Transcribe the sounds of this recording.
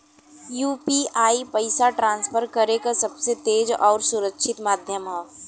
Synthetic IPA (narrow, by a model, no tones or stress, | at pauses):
juːpiaːipɐɪsaʈɾãːnsfʰəɾkɐɾekasɐbset̪eːd͡ʒɔːɾsʊɾəkʃʰɪt̪maːd̪ʱjəmɦɛː